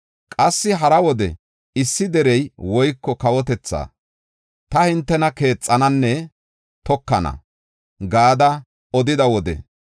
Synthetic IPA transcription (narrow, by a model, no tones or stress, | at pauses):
kʼɐsːɪɦɐɾɐwɔd̪ɛ̰ | ɪsːɪd̪ɛɾɛjwɔjkːɔkɐwɔt̪ɛt͡sːa̰ː | t̪ɐhɪnt̪ːɛnɐke̞ːt͡sʼːɐnɐnːɛ | t̪ɔkːɐnɐ̰ | ɡaːd̪ɐ | ɔd̪ɪd̪ɐwɔd̪ɛ̰